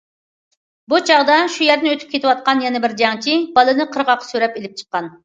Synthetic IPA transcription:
but͡ʃʰɑʁd̪ɑʃujɛɾd̪nɪøt̪ʰy̥p̚kʲet̪ɪwɑt̪̚qɑnjɛnɛbɪɾd͡ʒɑŋt͡ʃʰibɑlˠɨnɨqʰəɾʁɑqʰːɑ̥søɾɛpelɪp̚t͡ʃʰə̥qːɑn

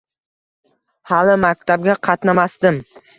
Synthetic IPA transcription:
halɪmak̚ʲt̪ʰab̚ɡʲaqʰɑt̪namast̪ɪm

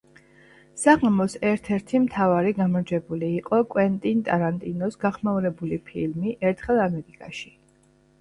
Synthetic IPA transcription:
saʁamɔsɛɾt̪ʰɛɾt̪ʰimt̪ʰavaɾiɡamɔɾd͡ʒɛbuliːqʼɔkʼwɛnt̪ʼint̪ʼaɾant̪ʼinɔsɡaχmauɾɛbulipʰilmiʔɛɾt̪ʰχɛlˠamɛɾikʼaʃi̥

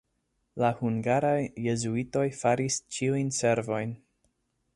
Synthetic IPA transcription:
lahuŋɡaɾajːe̞zuito̞jfaɾist͡ʃiujnse̞ɾvo̞jn

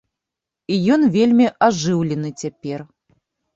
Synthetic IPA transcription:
ijɔnvʲelʲmʲiʔaʐɨwlʲɛnɨt͡sʲapʲɛr

